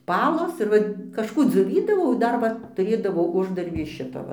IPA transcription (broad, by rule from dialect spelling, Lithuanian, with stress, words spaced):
ˈpɑːlˠoːs ɪr ˈʋɐ kɐʃˈkuː d͡zʲoːˈʋʲiːdɐʋɐʊ ɪ ˈdɐr ʋɐ tʊˈrʲeːdɐʋɐʊ ˈʊʒdɐrʲbʲiː ɪʃ ˈʃʲɪtoː ˈʋɐ